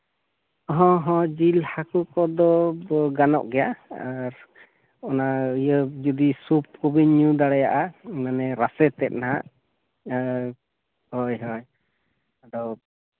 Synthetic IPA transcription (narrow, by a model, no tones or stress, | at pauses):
ɔɦɔ̃ɦɔ̃d͡ʒilhakukɔd̪ɔɡanɔ̰ʔɡɛjaaɾ | ɔnaijəd͡ʒud̪isup̚kɔbinud̪aɽɛja̰ʔamanɛɾasɛt̪ɛt̪̚naɦa̰ʔ | hɔjɦɔj | aɖɔ